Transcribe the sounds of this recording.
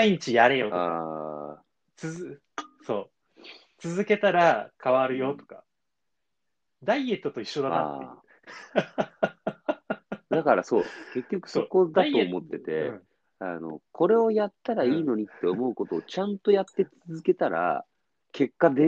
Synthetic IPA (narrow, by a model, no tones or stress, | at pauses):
aiɲ̟it͡ɕijaɾe̞jot̪a | t͡sɨɨ | so̞ː | t͡sɨzɨke̞t̪aɾakaβaɾɯ̟jo̞t̪o̥ka | d̪aie̞t̪ːot̪o̞iɕːo̞d̪aa̰ | d̪akaɾaso̞ːke̞kʲːo̞kɯ̟̥so̞ko̞d̪at̪o̞ːmo̞t̪ːe̞t̪e̞ | ano̞̰kʰo̞ɾe̞o̞jat̪ːaɾaiːno̞ɲ̟it̪ːe̞o̞mo̞ɯ̟ko̞t̪o̞ːt͡ɕãnt̪o̞jat̪ːe̞t͡sɨzɨke̞t̪aɾa̰ | kʰe̞kːad̪e